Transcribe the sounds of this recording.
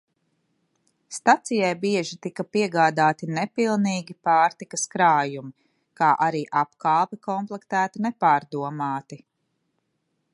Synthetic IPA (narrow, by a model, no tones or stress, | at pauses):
st̪at̪sijajbiɛʒit̪ikɐpiɛɡaːd̪aːt̪inɛpilˠniːɡʲipaːɾt̪ikɐskɾaːjumi | kaːʔaɾiːʔapkaːlˠpikɔmplˠɛkt̪æːt̪inepaːɾd̪uɔmaːt̪i